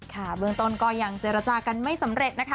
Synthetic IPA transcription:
kʰa˥˩bɯ˧əŋt̪o˧nkɔː˥˩ja˨˩ŋt͡ɕeː˨˧˩ɾa˧t͡ɕaː˧ka˧nma˥˩jsa˨˦mɾe˨˩t̪̚na˦˥kʰa˦˥

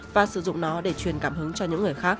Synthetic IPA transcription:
vaː˨˩sɨ˧˩zʊ̰˧˨ŋ͡mnɔ˨˦ɗe˧˩t͡ɕwi˨˩ənkaː˧˩mhɨ˨˦ŋt͡ɕɔ˧ɲɨ̰˧˥ŋːɨ˨˩əjxaː˦˥k̚

